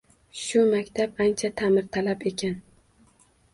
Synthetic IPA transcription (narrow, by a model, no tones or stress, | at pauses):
ʃʊmakʲt̪ʰapant͡ʃʰat̪ʰamɪɾt̪ʰalape̞kʲʰan